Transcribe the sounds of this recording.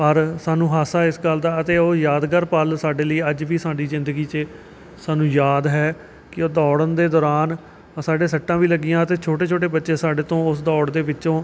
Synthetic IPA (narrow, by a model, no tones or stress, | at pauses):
pəɾsaːnũːɦaːsaːɪsɡəld̪aːət̪eːoːjaːd̪kəɾpəlsaːɖeːləiːəd͡ʒʋiːsaːɖiːzɪ̃nd̪əɡiːt͡ʃe | saːnũːjaːd̪ɦɛː | kɪoːd̪ɔːɽənd̪eːd̪ɔːɾaːn | saːɖeːsəʈːãːʋiːləɡɪjãːət̪eːt͡ʃʰoːʈeːt͡ʃʰoːʈ̬eːbətːʃẽːsaːɖeːt̪õːʊsd̪ɔːɽd̪eːbɪʃõː